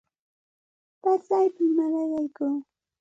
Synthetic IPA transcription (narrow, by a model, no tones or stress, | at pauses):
pat͡sajpammaɾajajkuː